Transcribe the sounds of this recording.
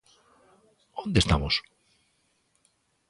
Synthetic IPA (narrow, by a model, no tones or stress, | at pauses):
ond̪est̪a̰mos